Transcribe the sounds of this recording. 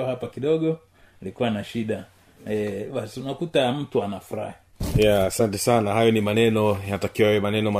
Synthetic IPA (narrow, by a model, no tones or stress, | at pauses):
hapakiɗɔɠɔ | ilikuwanaʃiɗa | ɛɓasi̥unakutam̩tuanafuɾa̰hi | jaːsantɛsanahajɔnimanɛnɔjatakiwaaɛmanɛnɔma